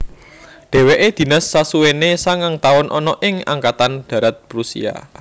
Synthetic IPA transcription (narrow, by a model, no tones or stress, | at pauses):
ɖ̪̥e̤weʔed̪̥i̤nasːasuwenesaŋaŋt̪aʊnʔɔnɔʔɪŋa̰ŋkat̪anɖ̪̥ä̤ɾat̪̚pɾusḭa̰